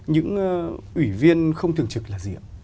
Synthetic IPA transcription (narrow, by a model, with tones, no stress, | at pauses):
ɲɨ̰˧˥ŋ˧ʔwi˧˩vi˧ənxə˧wŋ͡mt̪ʰɨ˨˩əŋt͡ɕɨ˨˩k̚laː˨˩zḭ˧˨ə˨w